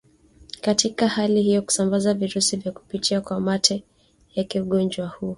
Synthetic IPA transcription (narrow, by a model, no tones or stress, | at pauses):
katikahalihijɔku̥sambazaviɾusivjaku̥pitʰiakwamatʰɛ | jakiuɠɔnd͡ʒwahuː